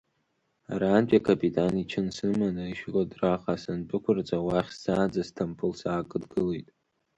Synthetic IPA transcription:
aɾaːntʲʼakʰapʼitʰʼanit͡ʃʰɨnsɨmanɨiʃradraqʼasanpʼɨkʷʰʊrt͡sʼawaχʲszaːd͡zastʰampʰɨlsaːkʼɨdɡɨlejtʼ

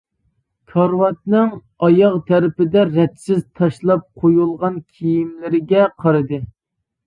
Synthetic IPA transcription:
kʰɑɾwɑt̪̚nɨŋ | ɑjɑʁt̪ʰæɾɪpɪd̪ɛɾɛt̪sɪzt̪ʰɑʃlˠɑp̚qʰojulˠʁɑnkʲʰijimlɪɾɪɡʲɛqʰɑɾɨd̪ɨ

